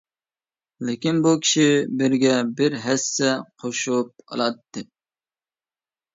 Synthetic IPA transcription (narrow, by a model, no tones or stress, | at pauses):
lɪkʲinbukʲʰi̥ʃibɪɾɡʲɛbɪɾɦɛsːɛqʰoʃup̚ʰɑ̰lˠɑt̪ːɨ